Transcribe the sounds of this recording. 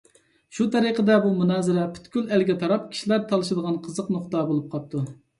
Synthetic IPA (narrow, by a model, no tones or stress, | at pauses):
ʃut̪ʰɛɾiqəd̪ɛbumunɑːzɨɾɛpʰy̥t̪kʲylælɡʲɛt̪ʰɑɾɑp̚kʲʰi̥ʃilæɾt̪ʰɑlˠɨʃɨd̪əʁɑnqʰəzəqnoqt̪ɑbolˠup̚qʰɑp̚t̪ʰːu